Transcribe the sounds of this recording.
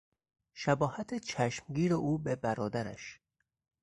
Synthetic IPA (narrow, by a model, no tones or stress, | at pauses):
ʃæbɒːhæt̪ʰet͡ʃʰæʃmɟiːɾeʔuːbebæɾɒːd̪æɾæ̰ʃ